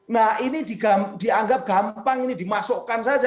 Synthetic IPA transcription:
nahinidiɡamd̥iaŋɡap̚ɡ̥ampaŋinidimasoʔkansad͡ʒa

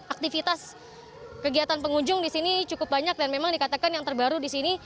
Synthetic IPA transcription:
ak̚t̪ifit̪as | kəɡiat̪anpəŋuɲd͡ʒʊŋdisinit͡ʃukʊp̚baɲak̚danmemaŋdikat̪akanjaŋt̪ərbaɾudisini

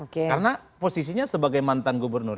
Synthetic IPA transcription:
okekaɾənaposis̬iɲasəbaɡajmant̪anɡubərnʊr

